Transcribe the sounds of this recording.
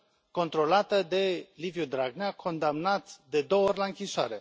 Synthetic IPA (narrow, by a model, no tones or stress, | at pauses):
ko̞nt̪ɾo̞lat̪əd̪e̞livjud̪ɾaɡneakʰo̞nd̪amnat̪d̪e̞d̪o̞oorʲlaɨŋkʲiʃoa̰ɾe̞